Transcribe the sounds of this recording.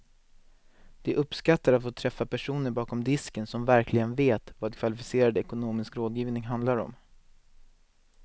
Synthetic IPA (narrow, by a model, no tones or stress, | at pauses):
d̪̥ɛʔɵpskat̪ːaɾat̪foːt̪ʰɾɛfːapæʂuːnəɾbɑːkɔmd̪ɪskənsɔmvæɾkʰlɪɡənveːt̪vaːd̪kʰvalɪfɪseːɾad̪ɛkʊnoːmɪskɾoːd̪jiːvnɪŋɦand̪laɾɔ̰m